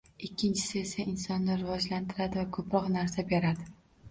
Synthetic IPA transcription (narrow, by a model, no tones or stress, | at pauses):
ɪkʲːɪnt͡ʃʰɪ̥sɪe̞saʔɪnsɒnːɪɾɪvɒd͡ʒlant̪ʰɪɾad̪ɪvakʰɵpɾɒqnaɾsabeɾad̪ɪ